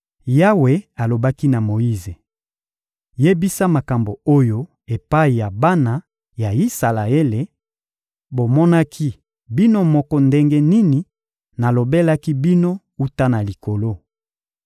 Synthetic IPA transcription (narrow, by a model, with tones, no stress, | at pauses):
ja˦we˨˦a˨lo˨ba˦ki˦na˨mo˨i˦ze˨ | je˦bi˦sa˦ma˨ka˨mbo˨o˦jo˦ | e˨pa˦i˨ja˨ba˦na˨ | ja˨i˦sa˨la˨e˦le˨ | bo˨mɔ˦na˦kʰi˦ | bi˦no˦mɔ˦kɔ˦nde˦ŋɡe˦ni˦ni˨ | na˨lo˨be˦la˦ki˦bi˦no˦ | u˦ta˦na˨li˨ko˨lo˦